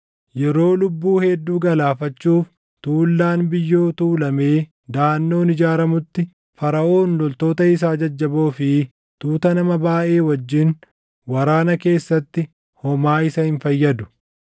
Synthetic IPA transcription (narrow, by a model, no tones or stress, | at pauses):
jɛɾo̞ːlʊbːuːhɛd̪ːuːɡɐlaːfɐt͡ʃːuːf | t̪uːlːaːnbɪjːo̞ːt̪uːlɐme̞ː | d̪aːnːo̞ːnɪd͡ʒaːɾɐmʊt̪ːɪ | fɐɾɐʔo̞ːnlɔlt̪o̞ːt̪ɐɪs̬aːd͡ʒɐd͡ʒːɐbo̞ːfɪ | t̪uːt̪ɐnɐmɐbaːʔe̞ːwɐd͡ʒːɪn | wɐɾaːnɐke̞ːsːɐt̪ːɪ | hɔmaːɪsɐhɪnfɐjːɐd̪ʊ̥